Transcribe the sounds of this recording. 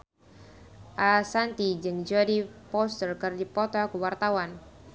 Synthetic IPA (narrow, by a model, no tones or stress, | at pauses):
ʔasant̪id͡ʒɨŋd͡ʒadipɔst̪ərkərdipɔt̪ɔkuwart̪awan